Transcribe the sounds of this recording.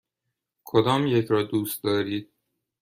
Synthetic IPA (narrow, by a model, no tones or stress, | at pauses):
kʰod̪ɒːmjecʰɾɒːd̪uːst̪̚d̪ɒːɾiːd̪̥̚